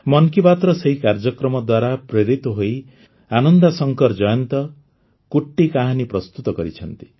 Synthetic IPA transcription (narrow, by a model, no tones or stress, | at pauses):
mɔŋkipat̪ɾɔseɦikaɾd͡ʒɔkɾɔmɔd̪waɾapɾeɾit̪ɔɦoj | anɔnd̪asɔŋkɔɾd͡ʒɔjɔnt̪ɔ | kuʈːikaɦanipɾɔst̪ut̪ɔkɔɾit͡ʃʰʌnt̪i̥